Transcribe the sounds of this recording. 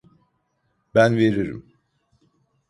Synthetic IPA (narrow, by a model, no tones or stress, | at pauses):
bænveɾiɾḭm